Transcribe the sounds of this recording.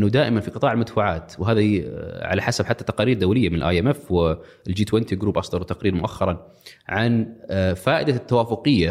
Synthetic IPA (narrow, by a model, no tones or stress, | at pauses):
ʔnːʊd̪aːʔɪmanfiqɨt̪ˤɑːʕɪlmad̪faʕaːt̪wɦaːðaʕa̰laħasabħat̪ːat̪ɑqɑːɾiːɾd̪awlɪjːamɪnɪlʔa̰jʔɛmɛfwɪ | ld͡ʒiːt̪wɛnt̪iɡɾuːbʔɑsˤd̪ɑɾˤwt̪ɑqɾiːɾmʊʔaxːɑɾˤɑn | ʕanfaːʔɪd̪at̪ːawaːfʊqɨjːa